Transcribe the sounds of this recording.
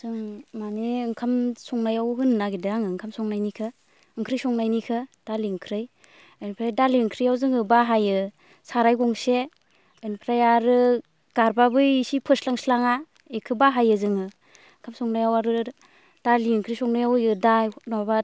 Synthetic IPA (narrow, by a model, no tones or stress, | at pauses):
sɯŋmaneɯŋkʰamsɔŋnajawɦɯnːaɡidaaŋɯɯŋkʰamsɔŋnajnikʰɯ | ɯŋkʰɾɯjsɔŋnajnikʰɯd̥aliɯŋkʰɾɯj | ajnpʰɾajdaliɯŋkʰɾɯjawzɯŋɯbaɦajɯ | saɾajɡɔŋse | ɯjnpʰɾajaɾɯ | ɡ̥aɾbabɯjsipʰɯslaŋslaŋa | ekʰɯbaɦajɯzɯŋɯ | ɯŋkʰamsɔŋnajawaɾɯ | d̥aliɯŋkʰɾɯjsɔŋnajawjɯdanaba